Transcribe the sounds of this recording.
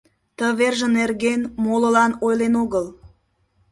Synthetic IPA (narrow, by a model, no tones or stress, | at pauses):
t̪əβerʒə̆nerɣenmoləlɑnojlenoɣəl